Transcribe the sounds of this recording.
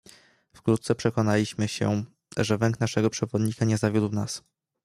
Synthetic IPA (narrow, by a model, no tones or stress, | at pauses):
fkɾut̪̚sɛpʂɛkɔnalʲiɕmɘɕɛ̰ | ʐɛvɛŋknaʂɛɡɔpʂɛvɔd̪ɲikaɲɛzavʲjud̪wnas